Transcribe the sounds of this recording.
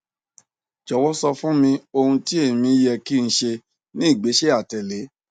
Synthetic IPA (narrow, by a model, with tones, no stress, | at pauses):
d͡ʒɔ˨wɔ˦sɔ˧fũ˦mĩ˧o˧hũ˧ti˦e˦˨mĩ˧˦jɛ˧ki˦˧n̩˨˦ʃe˧ | nĩ˦i˦˨ɡ͡be˨˦ʃe˦a˦˨tɛ˨le˨˦